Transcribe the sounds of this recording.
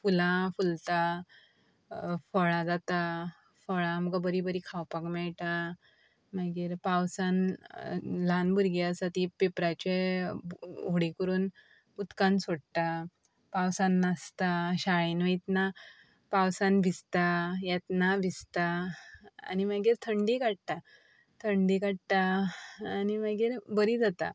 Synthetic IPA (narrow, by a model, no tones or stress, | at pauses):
fulãfult̪a | fɔɭãd͡zat̪a | fɔɭãməɡabəɾibəɾikʰawpakmɛɭʈ̪a | maɡiːɾpawsan | lanbʱuɾɡiasat̪ipepɾat͡ɕe | oɽikəɾuːn | ut̪kansoɽt̪a | pawsãnːast̪aɕaɭinʋəjt̪na | pawsanbʱist̪ajat̪nabʱist̪a̰ː | ñimaɡiːɾt̪ʰəɳɖikaɽ̚t̪a | t̪ʰəɳɖikaɽt̪aaːnimaɡiːɾbəɾiːd͡zat̪a̰